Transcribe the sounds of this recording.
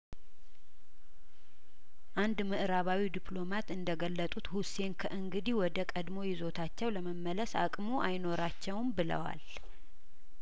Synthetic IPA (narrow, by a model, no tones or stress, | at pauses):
ʔand̪mɨʔɾaβawid̪ipʰlo̞mat̪ɨnd̪əɡəlːət̪ʼut̪huse̞nkʰəʔɨŋɡɨd̪iwɔd̪əkʼəd̪mo̞jɪzo̞t̪ʰat͡ʃːɛwləməmːələsa̰kʼmoʔajno̞ɾat͡ʃːɛwnbɨlə̰wa̰l